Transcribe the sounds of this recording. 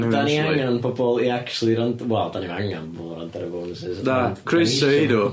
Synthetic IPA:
daniaŋŋanpʰɔbɔlˠiakt͡ʃulˠiɾantwɛlˠd̥anivaŋanpɔbɔlˠɾantʰɛɾəvoːnsɪsdakʰrɪsedo

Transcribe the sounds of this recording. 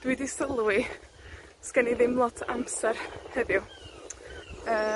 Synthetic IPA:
d̥widisəlˠwi | skɛniðɪmlˠɔtʰa̰msɛɾhɛðjʊ | əː

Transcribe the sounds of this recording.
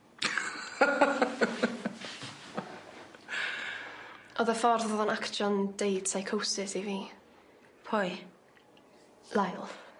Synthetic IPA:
ʔɔðəfɔrðɔðɔnakt͡ʃɔndejd̥sajkʰowsɪsiviː | pʰɔj | lˠajlˠ

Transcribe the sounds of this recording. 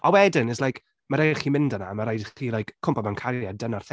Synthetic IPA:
ʔɔwɛdɪnəslajkʰ | maɾadχiːmɪndəna̰maɾajdχiːlˠajkʰːʊmpɔmankʰaɾjadənarθ

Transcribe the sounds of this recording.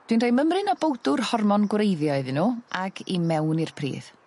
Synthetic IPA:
d̥winrajməmrɨnɔbowdʊrhɔrmɔnɡwrejðjɔɨðɪnuːʔakʰimɛwnirpʰrḭːð̥

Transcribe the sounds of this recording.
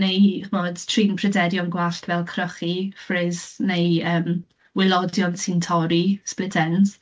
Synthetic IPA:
nejχmoːd̥tʰriːnpʰrɛdɛdjɔnɡwaɬtvɛlˠkʰrəχifrɪznejəːm | wɪlˠɔdjɔnsɪntʰɔɾisplɪtʰɛns

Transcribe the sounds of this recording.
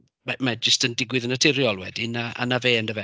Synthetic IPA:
mamad͡ʒəstəndɪɡwɪðənətʰɪɾjɔlˠwɛ̰dinaa̰naveːəndəvɛ

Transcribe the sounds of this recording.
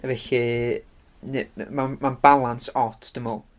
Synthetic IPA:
avɛɬi | nemanmanbalˠansɔtʰd̥əmɔlˠ

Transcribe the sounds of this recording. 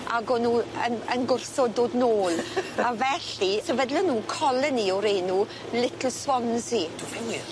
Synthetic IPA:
aɡɔnuːənənɡʊrsɔdoːdnoːlavɛɬisɛvədlɔnuːkʰɔləniɔwɾejnuː | lɪtʰl̩ˠswɔnsi

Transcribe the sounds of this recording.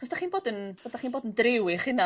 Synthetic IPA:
χɔsd̥aχiːnboːdənsɔdaχiːnboːdəndrɪwɪχɪna

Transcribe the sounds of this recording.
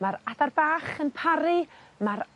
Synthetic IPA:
maɾadarbaːχənpʰaɾɨmaɾ

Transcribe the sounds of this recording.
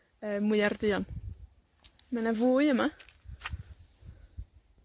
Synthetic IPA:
əːmwʊɨardɪɔn | manavuːɨəma

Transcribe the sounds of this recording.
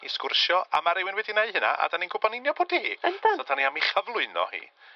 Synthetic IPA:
ḭskʊrʃjɔa̰maɾɛwɪnwɛdinaɨhəna̰ʔa̰daninɡʊbɔnɪnjɔboːdihḭːəndadaniamiχəvlˠʊɨnɔ̰hḭː

